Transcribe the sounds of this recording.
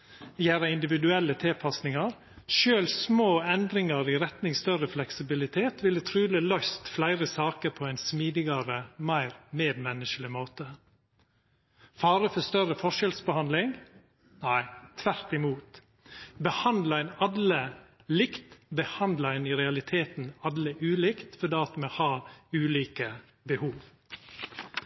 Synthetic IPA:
jæːɾɑɪnd̪ɪʋɪd̪ʉɛlːət̪ʰɪlpʰɑsnɪŋɑɾ | ʃøːlsmoːɛnd̪ɾɪŋɑɾiɾɛt̪nɪŋst̪œɾəflɛksɪbɪlɪt̪ʰeːt̪ʰʋɪlət̪ʰɾʉːləlœʏst̪flæɪɾəsɑːkəɾpʰɔæɪnsmiːd̪ɪɡɑɾəmæɪɾmeːd̪mɛnːəʂəlɪmoːt̪ə | fɑːɾəfɔst̪œɾəfɔʂɛlsbəhɑnd̪lɪŋ | næɪt̪ʰːʋæɾt̪ɪmuːt̪ | bəhɑnd̪lɑæɪnɑd̪lə | lɪkt̪bəhɑnd̪ləɪniɾɛɑlɪt̪ʰeːt̪n̩ɑd̪ləʔʉːlɪkt̪fɔdɑːt̪mohɑːʉːliːkə | bəhuːʋ

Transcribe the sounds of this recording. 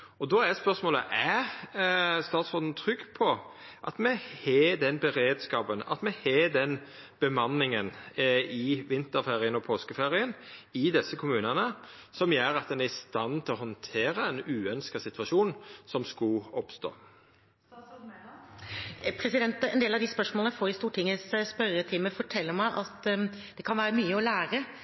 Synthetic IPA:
ɔd̪ɔːæspœʁsmoːlə̰ʔæ | st̪ɑːt̪sfɔnn̩t̪ʰɾʏɡpʰɔ | ʔɑ̰t̪mɛhed̪ɛnbəɾeːd̪skɑːpənɑ̰t̪mɛheːd̪ɛn | b̥əmɑnːɪŋənɪʋɪnt̪əɾfeːɾɪənɔpʰoːskəfeːʁɪənɪd̪ɛsəkʰʊmʉːnɑnəsɔmjœːɾɑt̪̚d̪ɛnæɾɪst̪ɑnːt̪ʰɪlɔhɔnt̪ʰeːɾəɛnʉːœnskɑsɪt̪ʋɑʃuːnsɔmskɑlɔpst̪o̰ː | pʰɾɛsɪd̪ɛnt̪ɛnd̪eːlɑʋd̪ɪspœʂmolfoːɾɪst̪uːʈʰɪŋːəsspœɾət̪ʰɪməfɔʈʰɛlːəɾmæɪʔɑt̪d̪̥ɛkʰɑnʋæːɾəmyːəɔlæːɾə

